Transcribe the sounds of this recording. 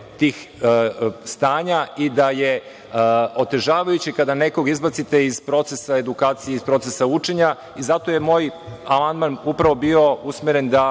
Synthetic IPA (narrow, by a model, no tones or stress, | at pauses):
t̪iːx | st̪aːɲaid̪aje̞ | o̞t̪e̞ʒaːʋajut͡ɕikad̪ane̞ko̞ɡizbat̪sit̪e̞izpɾo̞t̪sesae̞d̪ukaːt̪sijeizpɾo̞t̪sesaut͡ʂeɲa | izat̪o̞je̞mo̞ːjamand̪manupɾaʋo̞bio̞usmeɾe̞nd̪a